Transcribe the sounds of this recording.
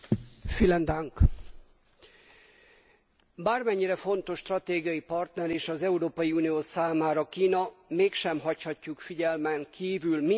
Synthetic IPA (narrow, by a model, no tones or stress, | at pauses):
filɛnd̪aŋk | baːrmɛɲːiɾɛfo̞n̪t̪o̞ʃːt̪rɒt̪eːɡijɒjipɒrt̪nɛɾeːʃɒzɛuɾoːpɒjiuːnijoːsaːmaːɾɒkiːnɒmeːkʃɛmɦɒchɒcːukfiɟɛlmɛŋkʰiːvylmi